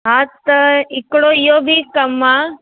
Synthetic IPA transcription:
ɦat̪ikɽoijoːbʱikɐmːa

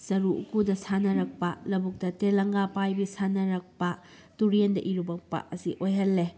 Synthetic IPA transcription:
sɐɾuṵkudɐsanɐɾɐk̚pɐlɐbuk̚tɐtelɐŋɡapajbisanɐɾɐk̚pɐ | tuɾiendɐʔiɾubɐk̚pɐ̰ɐsiʔojɦɐlːe

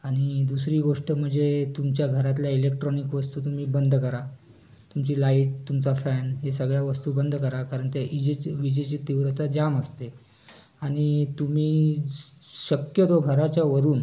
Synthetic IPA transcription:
aɽ̃id̪usɾiːɡoʂʈəm̤əɳd͡zet̪umt͡ɕjaɡʱəɾat̪̬ljailek̚ʈɾɔnikʋəst̪uːt̪um̤iːbənd̪ʱkəɾa | t̪umt͡ɕiːlaiʈ̚t̪umt͡safænɦesəɡɭjaʋəst̪uːbənd̪ʱkəɾakaɾəɳt̪jaʔid͡ʑeʋid͡ʑet͡ɕiːt̪iʋɾət̪ad͡ʑaməst̪e | aɽ̃it̪um̤iː | ɕəkjət̪oɡʱəɾat͡ɕjaʋəɾuːn

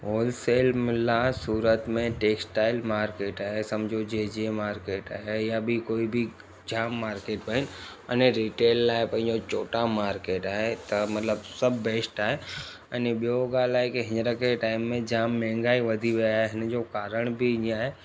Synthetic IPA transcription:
oːlseːlmɪlasuːɾət̪mẽʈeːksʈaːɪlmaːɾkeːʈaːɦesɐ̃md͡ʒʱod͡ʒed͡ʒiemaːɾkeːʈaːɦejabʱikoːibʱi | d͡ʒaːmːaːɾkeːʈbəɦɪnɐneɾiːʈeːlːaːɦepɐ̃ɦɪ̃ɲd͡ʒot͡ʃoːʈamaːɾkeːʈaːɦet̪ɐmɐt̪ləbsɐbːeːsʈaːɦe | əneɓijoɡaːlaːɦekiɦɪ̃nɾakeʈaːɪmːẽd͡ʒaːmːɛ̃ːŋɡaːiʋɐd̪ʱiʋeaɦeɦɪnd͡ʒokaːɾəɽ̃bʱiɪnaːɦe

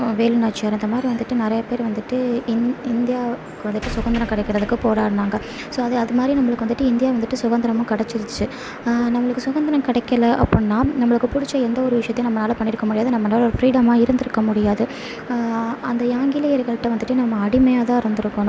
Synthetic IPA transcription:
ʋeːlɯnaːt͡ʃːjaːɾɛnd̪ɐmaːd̪ɾiʋɐnd̪ɯʈːɯnɪɾɐjɐpeːɾʋɐnd̪ɯʈːɯɪɪnd̪ɪjaː | kɯʋɐnd̪ɯʈːɯsʊɣɐnd̪ɐɾɐ̃mkɐɽɛkːɪɾɐðɯkːɯpoːɽaːɾɯnaːŋɡɐ | soːɐðɯɐðɯmaːd̪ɾinɐmːɐɭɯkːɯʋɐnd̪ɯʈːɯɪnd̪ɪjaːʋɐnd̪ɯʈːɯsʊɣɐnd̪ɐɾɐmʊ̃kɐɽɛt͡ʃːɪɾɯt͡ʃːɯ | nɐmːɐɭɯkːɯsʊɣɐnd̪ɐɾɐmkɪɽɛkːɐlɐʔɐ̰pːɔnːaːnɐmːɐɭɯkːɯpʊɽɪt͡ʃːɐɛnd̪ɐɔɾɯʋɪʂɐjɐt̪ːẽnɐmːɐnaːlɐpɐɳːɪɾɯkːɐmʊɽɪjaːðɯnɐmːɐnaːlɔɾɯfɾiːɽɐmaːɪɾɯnd̪ɪɾɯkːɐmʊɽɪjaːðɯ | ɐnd̪ɐjaːŋɡɪlɐjɐɾɣɐɭʈːɐʋɐnd̪ɯʈːɯnɐmːɐːɽɪmɐjaːt̪ãːɪɾɯnd̪ɯɾɯkːoːnʊ̃

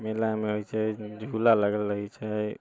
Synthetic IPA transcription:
melameɦojt͡ʃʰɛd͡ʒʱulaləɡəlɾəɦɛt͡ʃʰɛ

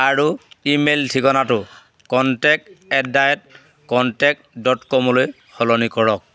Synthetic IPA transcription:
aɹuimeltʰikɔnatʊ | kɔntɛk̚ɛdajɛt̚ | kɔntɛk̚dɔtkɔmɔloj | xɔlɔnikɔɹɔk̚

